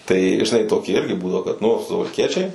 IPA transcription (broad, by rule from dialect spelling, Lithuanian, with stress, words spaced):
tɐɪ ʒʲɪˈnɐɪ toːˈkʲɪ ˈɪrʲɡʲɪ ˈbuːdɐʋoː kɐt nʊ sʊʋɐlʲˈkʲiɛt͡ʃʲɛɪ